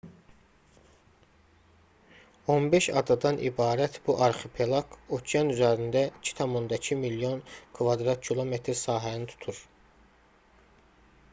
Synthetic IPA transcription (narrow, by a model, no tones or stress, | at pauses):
onbe̞ʃɑ̰d̪ɑd̪ɑnʔḭbɑːɾæt̪ʰbuʔɑɾxepʰelˠɑkʰot̪ʰjɑnyzæɾind̪æicʰi̥t̪ʰɑmond̪ɑcʰimilijo̞nkʰvɑd̪ɾɑt̪̚cʰilˠo̞met̪ʰɾsɑːɦænit̪ʰu̥t̪ʰuɾ